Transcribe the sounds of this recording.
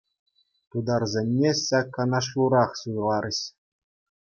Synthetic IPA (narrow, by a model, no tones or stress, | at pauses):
t̪ud̪ɑrzʲenʲːeɕɑkːɑnɑʂ̬lˠuɾɑχsujlˠɑɾɘ̆ɕ